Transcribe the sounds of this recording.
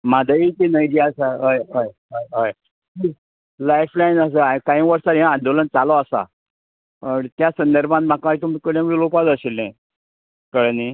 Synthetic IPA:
mad̪ʱajit̪inəjd͡ʑiasaɦəjɦəjɦəjɦəj | i | lajflainəs̬əakaɦĩʋəɾsaɾããnd̪olənt͡salɔasa̰ | əɳt̪jasənd̪əɾbʱãnm̤ʱakãit̪umikəljãmilopad͡zəɕilːɛ̃ | kəɽni

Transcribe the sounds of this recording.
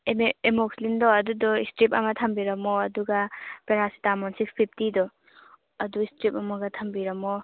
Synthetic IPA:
eemokslindɔɐdudɔistɾip̚ɐ̰mɐtʰɐmbiɾɐmɔɐduɡapeɾasi̥tamɔnsikspʰipʰtidɔ | ɐduistɾip̚ɐmɐɡɐt̪ʰɐmbiɾɐmɔ

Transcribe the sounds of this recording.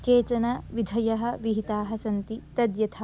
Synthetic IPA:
keːt͡ʃɐnɐʋid̪ʱɐjɐɦɐ̆ʋiɦit̪aːɦɐsɐnt̪it̪ɐd̪jɐt̪ʰɐ

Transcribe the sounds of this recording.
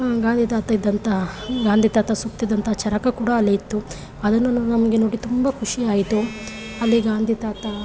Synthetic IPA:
ɡaːnd̪it̪aːt̪ɐid̪ːɐnt̪ɐɦɐɡaːnd̪ʱit̪aːt̪ɐsuk̚t̪id̪ːɐnt̪ɐɦɐt͡ʃɐɾɐkɐkuːɽɐːlːiit̪ːu | ɐd̪ɐnːunɐmɐɡenoːɽit̪umbɐkʰuʂijaːjit̪u | ɐlːiɡaːnd̪ʱit̪aːt̪ɐ

